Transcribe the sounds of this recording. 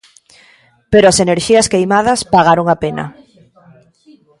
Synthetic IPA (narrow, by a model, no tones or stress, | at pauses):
peɾoaseneɾʃiɐskejmað̞ɐspaɣaɾoŋapenɐ̰